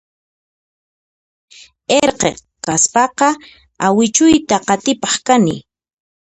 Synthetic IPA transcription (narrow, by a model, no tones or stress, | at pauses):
eɾqḛ | kaspɑqɑ | awɪt͡ʃʊjt̪aqɑt̪ɪpɑχkanɪ̰